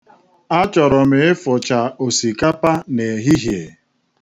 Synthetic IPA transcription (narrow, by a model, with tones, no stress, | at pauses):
a˦t͡ʃɔ˨ɾɔ˨me˨ɪ˦fʊ˨t͡ʃa˨o˨si˨ka˦pa˦ne˨ɦi˦ɦje˨